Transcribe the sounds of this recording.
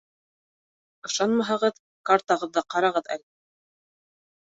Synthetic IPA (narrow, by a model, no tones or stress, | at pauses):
ɤ̆ʃɑnmɑɦɑʁɤð | kɑɾt̪ɑʁɤ̆ðːɑqɑɾɑʁɤðæ̰l